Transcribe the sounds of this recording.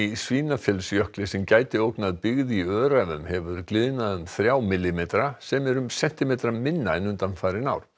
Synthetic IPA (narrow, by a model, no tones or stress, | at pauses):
isviːnafjɛlsjœhklɪsɛmcaːjt̪ɪowknaðpɪɣðiœːɾavʏmhɛvʏɾklɪðnaðʏmθɾjaːwmɪlːɪmeːt̪ɾasɛmɛɾʏmsɛn̥t̪ɪmejt̪ɾamɪnːaɪnʏnt̪anfaːjɾɪnawɾ̥